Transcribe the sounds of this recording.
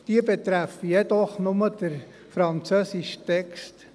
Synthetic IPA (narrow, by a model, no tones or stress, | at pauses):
d̥iəbɛt̪ɾæfijɛd̪ɔχnʊməd̥əɾ | fɾɑnt͡søːsiʃtɛkst